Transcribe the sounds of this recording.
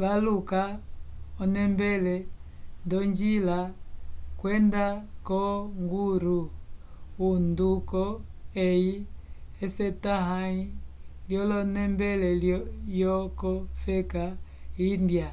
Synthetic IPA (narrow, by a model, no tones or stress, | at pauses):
βalukaɔnɛmbɛlɛndɔɲd͡ʒila | kwɛndakɔŋɡuɾu | undukɔɛiɛsɛtaɦai | ljɔlɔnɛmbɛlɛljɔkɔfɛka | indja